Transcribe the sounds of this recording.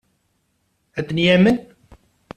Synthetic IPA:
æt͡sːnjæmən

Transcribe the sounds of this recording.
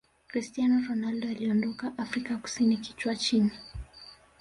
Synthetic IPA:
kɾistianɔɾɔnaldɔaliɔndɔkaʔafɾikaku̥sinikitwat͡ʃini

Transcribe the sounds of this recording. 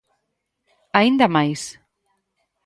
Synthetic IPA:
aind̪amajs

